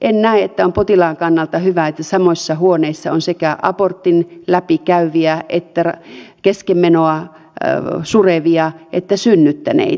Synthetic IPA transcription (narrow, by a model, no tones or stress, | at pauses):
ʔennæˑeet̪ːæompot̪ilɑːŋkɑnːɑlt̪ɑhyʋæet̪ːæsɑmoisːɑhuoneisːɑonsekæʔɑ̰port̪ːinlæpikæyʋiæʔet̪ːærkeskemːenoɑ | sureʋiɑʔet̪ːæsynːyt̪ːænḛi